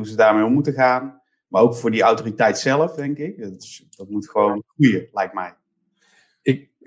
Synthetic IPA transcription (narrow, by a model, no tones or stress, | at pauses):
ɦuzədaːɹmejɔmːutəχaːn | maːɹowkfʊːɹdiawtoːritɛjtsɛləfdɛŋkɪk̚tsd̥ɑtmutχəʋownχrujəlɛjk̚tmɛj | ɪk